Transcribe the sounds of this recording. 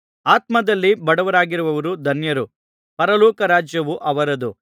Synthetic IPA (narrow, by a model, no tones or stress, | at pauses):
aːt̪̚mɐd̪ɐlːibɐɽɐʋɐɾaːɡiɾuʋɐʋɐɾud̪ʱɐnjɐɾu | pɐɾɐlɔːkɐɾaːd͡ʒjɐʋuʔɐʋɐɾɐd̪u